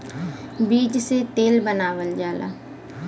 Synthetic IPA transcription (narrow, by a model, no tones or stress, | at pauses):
biːd͡ʒset̪eːlbənaːʋəld͡ʒaːla̰ː